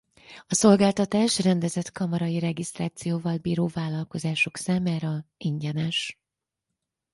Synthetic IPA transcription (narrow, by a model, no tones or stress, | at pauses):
ɒso̞lɡaːlt̪ɒt̪aːʃrɛnd̪ɛzɛt̪kɒmɒɾɒjiɾɛɡist̪raːt̪sijoːvɒlbiːɾoːvaːlːɒlko̞zaːʃo̞ksaːmaːɾɒiɲɟɛnɛʃ